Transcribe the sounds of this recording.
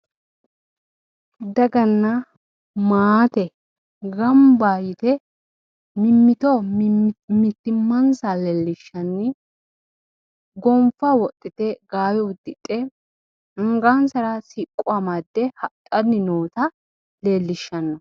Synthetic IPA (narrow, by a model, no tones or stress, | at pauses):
d̪ɐɡɐnːɐ | maːt̪ɛ | ɡɐmbaːjɪt̪ɛ | mɪmːɪt̪ɔ | mɪt̪ːɪmːɐnsaleːlːɪʃːɐnːɪ | ɡɔmfɐwɔt̪ʼːɪt̪ɛɡaːwɛʊd̪ːɪt̪ʼːɛ | ɪŋɡansɐɾɐsikʼːʊamɐd̪ːɛhɐt̪ʼːɐnːɪnoːt̪ɐ | leːlːɪʃːɐnːɔ